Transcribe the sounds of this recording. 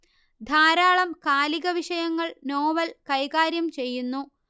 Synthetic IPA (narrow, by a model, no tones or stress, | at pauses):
d̪ʱaːɾaːɭɐmkaːliɣɐʋiʂɐjɐŋːɐɭno̞ːʋɐlkɐjɣaːɾjɐmt͡ɕe̞jːunːu